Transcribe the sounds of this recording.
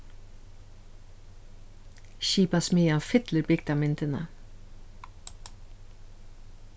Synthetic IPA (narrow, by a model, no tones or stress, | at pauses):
ʃiːpɑsmyːɑfɪt̪ləbɪk̚t̪ɑːmɪnt̪ʰənə̰